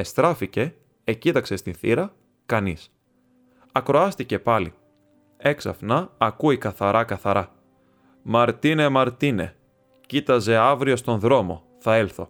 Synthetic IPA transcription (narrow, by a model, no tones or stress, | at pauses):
e̞st̪ɾɐfice̞ː | cit̪ɐkse̞st̪inθḭɾɐ | kɐnis | ɐkɾo̞ɐst̪ice̞pɐli | e̞ksɐ̰fnɐːkuikɐθɐɾʔɐkɐθɐɾɐ | mɐɾt̪inemɐɾt̪ine̞̰ | cit̪ɐze̞ɐvɾio̞st̪o̞nðɾo̞mo̞ | θɐelθo̞̰